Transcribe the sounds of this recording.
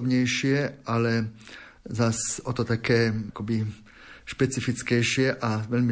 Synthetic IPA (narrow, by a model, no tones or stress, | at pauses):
bɲɛjʃɪɛʔalɛ | zasɔt̪ɔt̪akɛːkɔbi | ʃpɛt͡sifit͡skɛjʃɪɛʔaʋɛʎmi